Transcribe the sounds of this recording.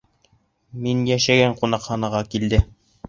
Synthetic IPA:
minjæʃæɡæɴqunɑqχɑnɑʁɑkild̪ɘ

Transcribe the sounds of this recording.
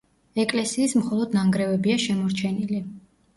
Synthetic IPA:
ɛkʼlɛsiːsmχɔlˠɔd̪naŋɡɾɛvɛbiaʃɛmɔɾt͡ʃʰɛnili

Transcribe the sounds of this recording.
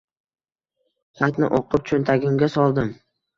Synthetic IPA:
χat̪nɪ̰ʔoqʰʊp̚t͡ʃʰʊnt̪ʰaɡʲɪmɡʲasɒlˠd̪ɪm

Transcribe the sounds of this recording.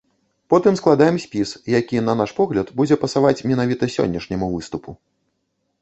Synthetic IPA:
pɔt̪ɨmsklˠad̪ajɛmsʲpʲisjakʲinɐn̪aʂpɔɣlʲɐt̪bud͡zʲɛpɐsavat͡sʲmʲɛnavʲit̪ɐsʲɔ̰nʲːɐʂnʲɛmuvɨst̪upu

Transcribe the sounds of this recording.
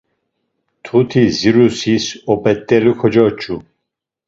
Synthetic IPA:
t̪ʰut̪ʰiziɾusisɔpʼɛt̪ʼːɛlukʰɔd͡ʒɔt͡ʃʰʼu

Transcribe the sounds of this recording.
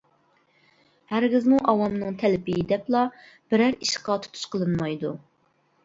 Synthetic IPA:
hæɾɡʲɪzmuʔɑwɑmnɨŋt̪ʰɛlɪpɪjid̪ɛplˠɑ | b̥ɪɾæɾiʃqɑt̪ʰu̥t̪ʰu̥ʃqəlˠɨnmɑjd̪u

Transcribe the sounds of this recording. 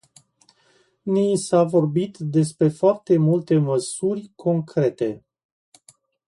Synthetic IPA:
nisavo̞rbit̪d̪e̞spɾe̞foart̪e̞mult̪e̞məsurʲkʰo̞ŋkɾe̞t̪e̞

